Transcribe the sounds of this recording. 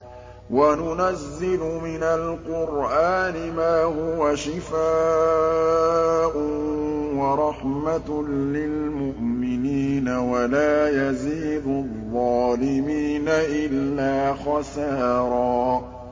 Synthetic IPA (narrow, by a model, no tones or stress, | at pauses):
wanʊnazːɪlʊmɪnalqʊɾʔaːnɪmaːhʊwaʃɪfaː | ʔʊwɑɾˤɑħmalɪlmʊʔmɪniːnawalaːjaziːd̪ʊðˤːɑːlɪmiːnaʔɪlːaːxɑsɑːɾˤɑː